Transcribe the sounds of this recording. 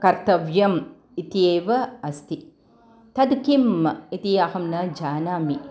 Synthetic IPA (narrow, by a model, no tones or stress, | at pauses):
kɐɾt̪ɐʋjɐm | it̪ijeːʋɐɐst̪i | t̪ɐd̪kimːɐit̪ijahɐmnɐd͡ʒaːnaːmi